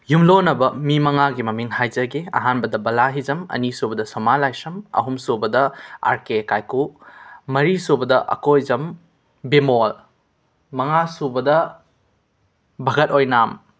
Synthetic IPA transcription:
jumlonɐbɐmimɐŋaɡimɐmiŋhajzɐɡiɐ̰ɦanbɐdɐbɐlaɦizɐmɐ̰nisubɐdɐsɐmalajsɐmɐ̰ɦumsobɐdɐa̰ɾkekajkumɐɾisobɐdɐʔɐ̰kojzɐm | bimol | mɐŋasubɐdɐ | bʱɐɡɐt̚ojnam

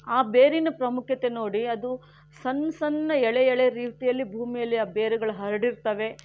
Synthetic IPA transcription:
aːbeːɾinɐpɾɐmukʰjɐt̪e̞no̞ːɽiɐd̪u | sɐnsɐnːɐɛɭeɛɭeɾiːt̪ijɐlːibʱuːmijɐlːiaːbeːɾuɡɐɭuɦɐɾɐɽiɾt̪ɐʋe̞

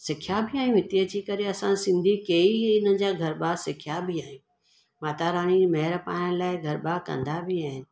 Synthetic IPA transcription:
sɪkʰjabʱɪaːɦĩũɦɪt̪iəd͡ʑikɐɾeɐsãsɪ̃nd̪ʱikeːiɪnə̆d͡ʑaːɡʱɐɾbaːsɪkʰjabʱɪaːɦijũ | maːt̪aɾaːɽ̃imɛɦɪɾpa̰ːnə̃laːɪɡʱɐɾɓakɐ̰̃nd̪abʱɪaːɦɪnɪ̆

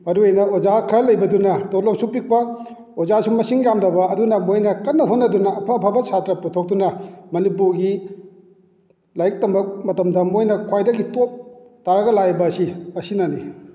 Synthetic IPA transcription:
ɐduejnɐozakʰɾɐlɐjbɐdunɐtotlok̚supik̚pɐ | ozasumɐsiŋjamdɐbɐɐdunɐmojnɐkɐnːɐɦonɐdunɐːpʰɐːpʰabɐsʰatɾɐputʰok̚dunɐmɐnipuɾɡi | lajk̚tɐmɐk̚mɐtɐmdɐmojnɐkʰwajdɐɡitop̚ | taɾɐɡɐlajbɐsiɐsinɐnḭ

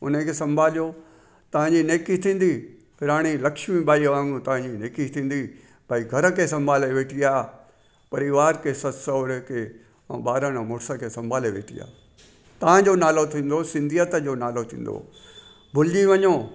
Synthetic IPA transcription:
ʊ̰nəkʰeːsɐ̃mbʱaːlijo | t̪ɐʋ̤ãɲd͡ʑineːkit̪ʰĩːn̆d̪i | pʰɪɾaːɽ̃ilɐkʃmibaːiʋaːŋɡũt̪ɐʋ̤ãɲd͡ʑineːkit̪ʰĩːn̆d̪i | baːiɡʱɐɾə̆kʰesɐ̃mbʱaːleʋeːʈʰiaː | pɐɾiʋaːɾkʰesɐsɐːɾkʰḛ̃ | baːɾəɽ̃mʊːɾsəkʰesɐ̃mbʱaːleʋḛːʈʰḭja̰ː | t̪ɐʋ̤ãd͡ʑonaːlot̪ʰĩːn̆d̪osɪ̃nd̪ʱijət̪əd͡ʑoːnaːlot̪ʰḭ̃ːn̆d̪o̰ | bʱʊlɪd͡ʑiʋɐɲoː

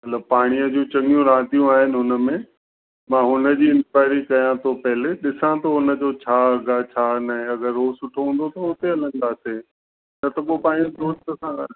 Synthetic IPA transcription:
mɐt̪ləb̚paːɽ̃ijəd͡ʑũːt͡ɕɐɠijũɾãːd̪ijũaːɦɪnɪ̆ɦʊnə̆mẽ | mãːɦʊnə̆d͡ʑiːɪ̃nkaːɪɾikɐjãt̪ʰopɐɦɪleɗɪsãt̪ʰoɦʊnə̆d͡ʑot͡ɕʰaːɡat͡ɕʰaːnaɦẽɐɡəɾːoːsʊʈʰoɦũːn̆d̪ot̪ʰɐʊt̪eɐlə̃n̆d̪aːse | nɐt̪ɐkopaːɽ̃iõɾoːd͡ʑt̪ɐsãɡa

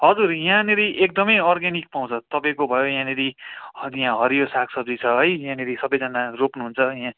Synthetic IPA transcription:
ɦʌd͡zurjãneɾiʔek̚d̪ʌmʌjʌrɡanik̚paw̃t͡sʰʌt̪ʌpãĩkobʱʌjojãneɾijãɦʌɾijosakʰsʌb̚d͡zit͡sʰʌɦʌjjãneɾisʌbʌjd͡zʌnaropnuɦunt͡sʰʌjã

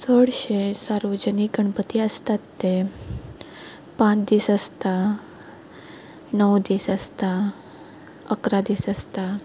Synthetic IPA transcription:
səɽɕesaɾʋəd͡ʑəniɡəɳpət̪iəst̪at̪ːe | pãt͡sd̪iːsəst̪a | nəwd̪iːsəst̪a | əkɾad̪iːsəst̪a

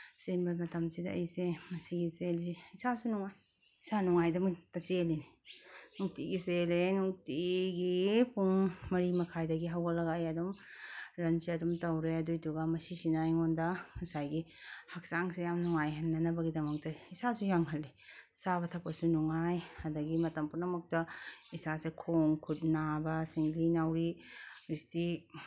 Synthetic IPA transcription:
senbamɐtamsida̰ʔɐjsemɐsiɡiselsiisasunuŋaj | isanuŋajdɐmutat͡ʃelininuk̚tiɡiselenuk̚tiɡipuŋmɐɾimɐkʰajdɐɡiɦawɡalɐɡajadɔmɾɐnt͡ʃiɐdɔmtawɾeɐdujtuɡamɐsisinajŋɔndaɐsajɡihak̚saŋsejamnuŋajɦɐnːɐnɐbɐɡidɐmɐk̚tɐisasujaŋɦɐlːi | sabɐtʰɐpːɐsunuŋajɐdɐɡimɐtɐmpunɐmɐk̚tɐisasekʰoŋkʰut̚nabɐsiŋlinawɾiɾisti

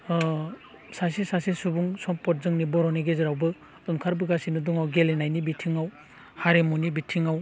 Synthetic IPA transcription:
sasisasisubuŋsɔmpɔt̚zɯŋnibɔɾɔneɡezɯɾawbɯ | dunkʰaɾbɯɡasinɯdɔŋawɡelenajnibitʰiŋaw | haɾemunibitʰiŋaw

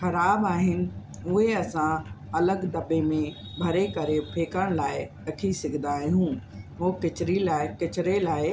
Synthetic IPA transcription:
xɐɾaːbaːɦɪnɪ̆ | ʊɦeɐsãɐləɡd̪ɐbemẽ | bʱɐɾekɐɾepʰeːkəɽ̃laːɪ | ɐkʰisɪɡʱə̃nd̪aːɦẽɦũɦoːkɪt͡ɕɾilaːkɪt͡ɕɪɾelaːɪ

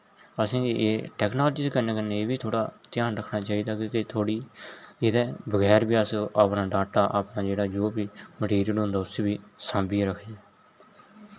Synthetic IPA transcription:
əsĩːʔeːʈɛːknaːld͡ʒiːskəɾneːkəneːeːbiːt̪ʰoːɽa̰ːt̪ɪjaːnɾəkʰɳaːt͡ʃaːiːd̪aːkĩːkɪt̪ʰoːɽiːɪd̪ɛːbəɡɛːɾbiːəsəːpnaːɖaːʈaːʔaːpnaːd͡ʒeːɽaːd͡ʒoːbiːməʈiːɾijəlõːnd̪aːʊseːbiːsãːmbĩɾəkʰd͡ʒeː

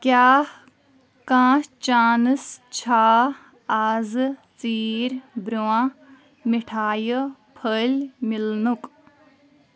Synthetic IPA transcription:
kʲjaːh | kãːt͡ʃaːnɨst͡ɕʰaː | aːzɨt͡siːɾbɾuwã | miʈʰaːjəpʰəlʲmilnuk

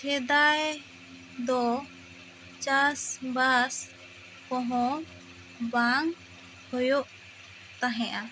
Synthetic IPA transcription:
t͡ʃʰɛd̪aj | d̪ɔ | t͡ʃasbas | kɔ̃ɦɔ̃ | baŋ | hɔjɔʔ | t̪aɦɛ̃ʔa

